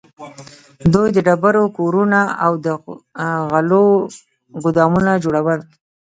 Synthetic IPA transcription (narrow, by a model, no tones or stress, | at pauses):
d̪ujd̪əɖabaɾokoɾunaawd̪ə | ɣalo | ɡʊd̪ɑmunad͡ʒoɽawəl